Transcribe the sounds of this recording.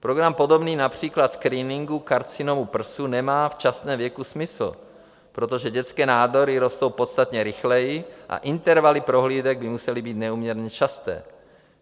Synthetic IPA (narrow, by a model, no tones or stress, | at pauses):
pɾoɡɾampo̞do̞bniːnapr̝̥iːklat̪skɾiːnɪŋɡukaɾt͡sinomupr̩sunɛmaːft͡ʃast̪nɛːmvjɛkusmɪsl̩ | pɾot̪o̞ʒɛɟɛt͡skɛːnaːdo̞ɾɪɾo̞st̪owpo̞t̪st̪at̪ɲɛɾɪxlɛjiʔa̰ʔint̪ɛɾvalipɾo̞ɦliːd̪ɛɡ̚bɪmusɛlibiːt̪nɛuːmɲɛɾɲɛt͡ʃast̪ɛ̰ː